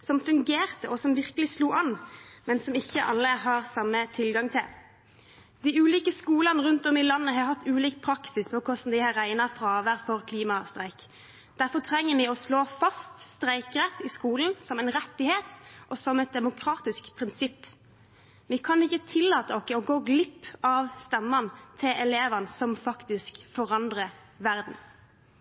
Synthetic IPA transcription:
sɔmfʉŋɡeːʁt̪əʔɔsɔmʋɪʁkəlɪsluːʔɑnmɛnsɔmɪçːəʔɑlːəɦɑːʁsɑmːət̪ʰɪlɡɑŋt̪ʰɪl | d̪̥ɪʉːliːkəskuːlɑnəɾʉnt̪ɔmɪlɑnːəɦɑhɑt̪ːʉːliːkpʰɾɑksɪspʰɔkʰɔst̪n̩d̪ɪhɑɾæɪnɑfʁɑːʋəʁfɔʁkʰliːmɑst̪ʁæɪk | d̪̥æɾfɔt̪ʰɾɛŋːəmɪɔsloːfɑst̪st̪ɾæɪkɾɛt̪ːɪskuːln̩sɔmɛɪnɾɛt̪ːɪheːt̪ʔɔsɔmɛt̪̚d̪ɛmʊkʰɾɑːt̪ɪskpʰʁɪnsɪpː | ʋɪkʰɑnɪçːət̪ʰɪlːɑːt̪əɔkːəɔɡoːɡlɪpːɑʋst̪ɛmːɑnt̪ʰɪlʔɛleːʋɑnəsɔmfɑkt̪ɪskfɔʁɑnd̪ʁə | ʋæɾd̪n̩

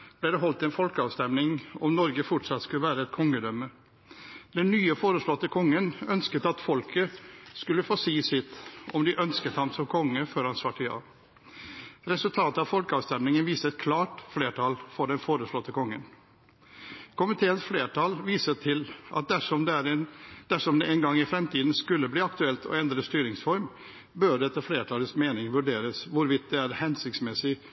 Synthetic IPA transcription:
b̥lɛːd̪ɛɦɔlt̪ɛnfɔlkəɑːʋst̪ɛmnɪŋɔmnɔɾɡəfʊʈʂɑt̪skʉləʋæːɾəɛt̪̚kʰɔŋːəd̪œmə | d̪ɛnːyːəfoːɾəʂɭɔt̪ːəkʰɔŋːənœnskət̪ɑt̪fɔlkʰəskʉlːəfoːsiːsɪt̪ːɔmd̪ɪʔœnskət̪hɑmsɔmkʰɔŋːəføːɾhɑnsʋɑʈʰːɪjɑ̰ː | ɾɛsʉlt̪ʰɑːt̪əɑʋfɔlkəɑːʋst̪ɛmnɪŋənʋiːsəɛt̪kʰlɑːʈfleːʈʰɑlfɔɖɛnfoːɾəslɔt̪ːəkʰɔŋːən | kʰʊmɪt̪ʰeːənsfleːʈɑlʋiːsət̪ʰɪlʔɑ̰t̪̚d̪æʂɔmd̪æɾɛnd̪̥æʂɔmd̪ɛʔɛnɡɑŋːɪfɾɛmt̪ʰiːd̪n̩skʉlːəbliːɑkt̪ʉɛlt̪ʰɔ̰ɛnd̪ɾəst̪yːɾɪŋsfɔɾm | bøːɖɛt̪ːəfleːʈʰɑləsmeːnɪŋʋʉɖeːɾəsʋʊɾʋɪt̪̚d̪ɛæɾhɛnsɪkt̪smɛsɪ

